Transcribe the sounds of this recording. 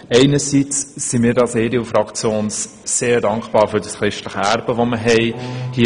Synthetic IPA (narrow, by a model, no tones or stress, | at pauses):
ɛɪnəsit͡ssimiːɾdɑseːdiufɾɑkt͡sjoːns | seːɾdɑŋkχb̥ɑːɾfʏɾdəsχɾɪʃtləχəæɾb̥əʋoməɦɛɪhi